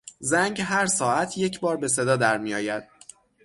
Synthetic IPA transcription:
zæŋɡɦæɾsɒːæt̪ʰje̞cʰbɒːɾbe̞se̞d̪ɒːd̪æɾmijɒːjæd̪̥

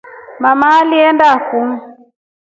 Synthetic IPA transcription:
mamaːliɛndakum̩

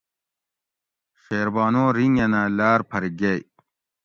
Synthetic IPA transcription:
xeːɾbaːnoːɾiŋɐnaːlaːɾpʰɐɾiɡej

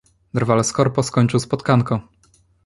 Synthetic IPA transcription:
d̪ɾvalskɔɾpɔskɔɲt͡ʂɘwspɔt̪kaŋkɔ

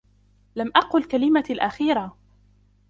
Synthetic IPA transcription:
lamʔɑqʊlkalɪmalʔaxiːɾˤa

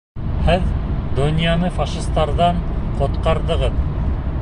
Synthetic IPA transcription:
hɘðd̪ŏnʲjɑnɤfɑʃist̪ɑɾðɑɴqŏt̪qɑɾðɤ̆ʁɤð

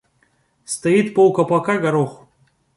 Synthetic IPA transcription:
st̪ɐit̪powkɐpakaɡɐɾox

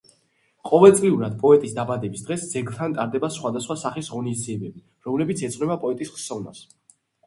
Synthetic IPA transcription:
qʼɔvɛlˠt̪sʼliuɾad̪̚pʼɔɛt̪ʼisd̪abad̪ɛbisd̪ʁɛsd̪zɛɡlˠt̪ʰant̪ʼaɾd̪ɛbasχwad̪asχwasaχisʁɔnisd̪ziɛbɛbi | ɾɔmlɛbit̪sʰɛt̪sʼɾɛbapʼɔɛt̪ʼisχsɔvna̰s

